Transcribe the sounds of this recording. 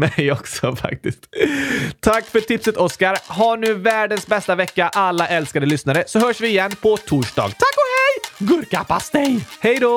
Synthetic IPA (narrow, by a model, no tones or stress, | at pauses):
mɛjɔksɔfa̰k̚t̪ɪst̪ | t̪ʰakːfœʈʰɪpsət̪ɔskaɾɦaɳʉ̟ːvæːɖənsbɛst̪avɛkːaʔalːaʔɛlskad̪əlʏsnaɾəsɔɦœːʂvɪːjɛnːpʰɔt̪ʰuːʂɖɑ̰ːɡt̪ʰakːɔhɛjɡɵɾkapast̪ɛjhɛjd̪ɔ